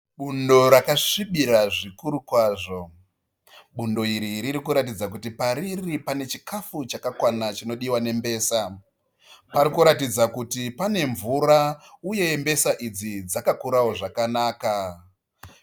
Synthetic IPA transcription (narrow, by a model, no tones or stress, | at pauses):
ɓundo̞ɾakaʂiɓiɾaʐikuɾukwaːʐo̞ | ɓundo̞iɾiɾiɾikuɾat̬id͡zakutipaɾiripane̞t͡ʃikʰafut͡ʃakakwanat͡ʃino̞ɗiwane̞mbe̞ːsa | paɾikuɾatid͡zakutipane̞ɱvurauje̞mbe̞saʔid͡zid͡zakakuɾawo̞ʐakanaːka